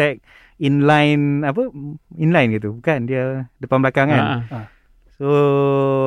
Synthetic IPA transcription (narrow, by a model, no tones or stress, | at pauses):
ɛk̚ | inlajnap̬əinlajnɡit̪̬ubukandiədəpanblakaŋan | so